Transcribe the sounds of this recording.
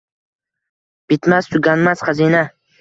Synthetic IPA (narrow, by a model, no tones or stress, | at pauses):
b̥ɪt̪mast̪ʰʊɡʲanmasχazina